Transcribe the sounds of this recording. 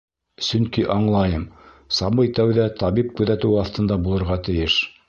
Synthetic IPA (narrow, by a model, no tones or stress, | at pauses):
sɵŋkiʔɑɴlˠɑjɤm | sɑmɤjt̪æwðæt̪ɑβip̚kʉðæt̪ɘwɑθt̪ɤ̆nd̪ɑbulˠɤ̆ɾʁɑt̪ɘ̆jɘʃ